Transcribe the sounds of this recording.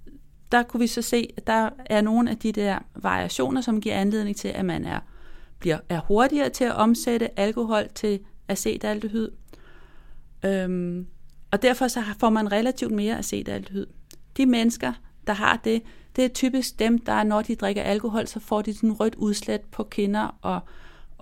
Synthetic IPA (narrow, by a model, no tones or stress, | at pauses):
d̥ɑ̈kʰuʋisɒ̽se̝̰ːd̥ɑ̈æɐno̝ːn̩æd̥id̥eɐ̰ʋɑ̈ʁḭʔæɕo̝̰ːnɐsɒ̽mɡ̥iɐ̰ænle̝ðˠne̝ŋt͡sʰe̝lʔæmænæɐb̥liɐ̰æɐho̝ɐd̥iɐːt͡sʰe̝æʔɒ̽mseɾəʔælko̝ɦɒ̽l̰t͡sʰe̝læse̝̰ːd̥æl̰d̥ɦyð̰ˠ | ø | ɒ̽d̥æɐ̰fɒ̽sɒ̽fɒ̰ːmænʁelæt͡sʰiʊd̥me̝ːɐʔæse̝̰ːd̥æl̰d̥hyð̞̰ˠd̥imenəsɡ̥ɐd̥ɑ̈ɦɑ̈d̥e̝d̥e̝t͡sʰyːb̥isɡ̥̚d̥emd̥ɑ̈æɐnɒd̥id̥ʁɛɡ̥ɐʔælko̝ɦɒ̽l̰sɒ̽fɒ̰d̥isnʁœd̥uðˠsled̥̚pʰɒ̽kʰe̝nɐʔɒ̽